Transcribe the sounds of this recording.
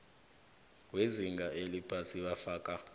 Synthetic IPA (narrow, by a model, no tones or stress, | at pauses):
weziŋɡʱaʔelipʰasiɓafaːkʼa